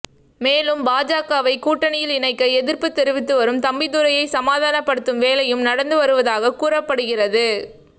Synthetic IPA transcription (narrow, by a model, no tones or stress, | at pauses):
meːlɯmbaːd͡ʒaːkaːʋɐɪkːuːʈːɐɳɪjɪlɪnɐɪkːɐɛðɪɾpɯt̪ːɛɾɯʋɪt̪ːɯʋɐɾɯmt̪ɐmbɪðɯɾɐjɐɪsɐmaːðaːnɐpːɐɽɯt̪ːɯmʋeːlɐjɯmnɐɽɐnd̪ɯʋɐɾɯʋɐðaːɣɐkuːrɐpːɐɽɯɣɪrɐðɯ